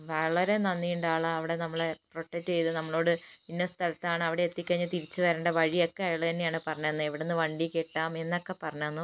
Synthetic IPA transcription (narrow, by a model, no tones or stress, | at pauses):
ʋɐɭɐɾenɐnːijuɳɖaːɭɐɐʋiɽe̞nɐmːɐɭepro̞ʈːetːɨt͡ɕe̞jt̪ɨnɐmːɐɭo̞ːɽɨinːɐst̪ʰɐlɐt̪ːaːɳɨɐʋiɽeːt̪ːikʲːɐɐɲːɐt̪iɾit͡ɕːɨʋɐɾeːɳɖɐʋɐɻijo̞kːeɐjɐɭɨt̪ɐnːejaːɳɨpɐrɐɲːonːɨeʋiɽenːɨʋɐɳɖikʲːeʈːaːme̞nːɐkːe̞pɐrɐɲːonːu